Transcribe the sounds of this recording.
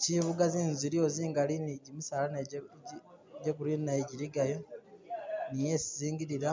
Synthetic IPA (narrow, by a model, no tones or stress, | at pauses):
ciβuɡazinziɾioziːŋɡaliniɟimusalana | ɟekuɾinaeɟiɾiɡajo | nije̞siziːŋɡiɾiɾa